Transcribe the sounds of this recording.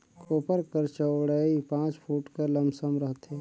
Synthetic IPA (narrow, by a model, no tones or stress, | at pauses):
koːpəɾkəɾt͡ʃəwɽaipãːt͡ʃpʰuːʈkələmbsəmɾəɦt̪eː